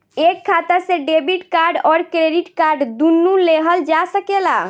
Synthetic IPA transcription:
ekkʰːat̪əsẽɖebiʈkaɾɖɔɾkɾeɖiʈkaɾɖd̪unːuleɦəld͡ʒasəkela̰

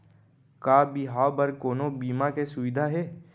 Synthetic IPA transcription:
kaːbiɦaːbɐɾkoːnobiːmakesʊʋɪd̪ʱaɦɛː

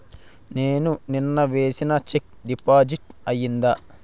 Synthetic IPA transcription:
ne̞ːnuninːɐʋe̞ːsinɐt͡ʃek̚ | ɖipaːd͡ʒiʈɐjːind̪ɐ

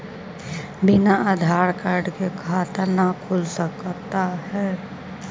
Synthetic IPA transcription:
bɪnaʔad̪ʱaːɾkaːɾɖkekʰaːt̪ənakʰʊlsəkt̪aɦɛː

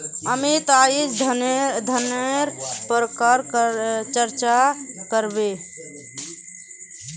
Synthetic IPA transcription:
əmit̪aid͡ʒʱ | d̪ʱəneɾpɾəkaɾt͡ʃəɾt͡ʃakəɾbe

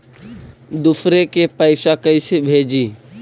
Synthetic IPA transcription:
d̪ʊfʰɾekepəɪsakəisɪbʱeːd͡ʒiː

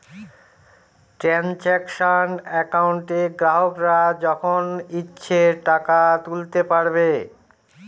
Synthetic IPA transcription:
ʈɾɛnt͡ɕɛkʃanɛkauɳʈeɡɾaɦokɾad͡ʑɔkʰonitːɕʰeʈakat̪ult̪epaɾbe

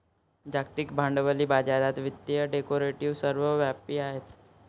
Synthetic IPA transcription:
d͡ʒaːk̚t̪ɪkbʱãːɳɖʋəlibaːd͡ʒaːd̪aːt̪ʋɪt̪ːiəɖeːkoːɾeʈiʋsəɾʋəʋaːpiaːɦet̪

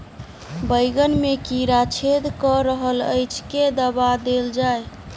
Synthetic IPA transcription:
bəjɡənmekiɾat͡ʃʰed̪kɔɾəɦələ̰jt͡ʃʰked̪əbad̪eld͡ʒaj

